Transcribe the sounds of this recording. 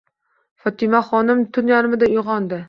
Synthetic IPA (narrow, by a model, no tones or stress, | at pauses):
fɒt̪ʰɪmaχɒnɪmt̪ʰʊnjaɾɪmɪd̪aoʁɒnd̪ɪ